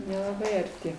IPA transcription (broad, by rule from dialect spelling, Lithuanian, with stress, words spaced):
nʲɛlˠɐˈbɐɪ ɐrʲˈtʲɪ